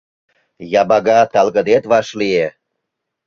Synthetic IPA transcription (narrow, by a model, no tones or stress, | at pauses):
jɑbɑɣɑt̪ɑlɣəd̪et̪βɑʃlie